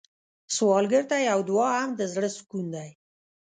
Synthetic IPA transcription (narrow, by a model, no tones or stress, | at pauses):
swɑlɡəɾt̪ajawd̪wɑɦamd̪əzɽəskund̪aj